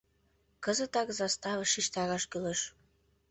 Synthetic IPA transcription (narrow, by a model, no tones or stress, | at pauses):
kəzət̪ɑkzɑst̪ɑvə̆ʃiʃt̪ɑɾɑʃkylə̆ʃ